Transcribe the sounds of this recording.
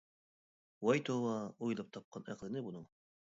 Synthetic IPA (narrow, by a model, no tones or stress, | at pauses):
wɑjt̪ʰovɑujlˠɑp̚t̪ʰɑp̚qɑnæqlˠɪnɪbunɨɴ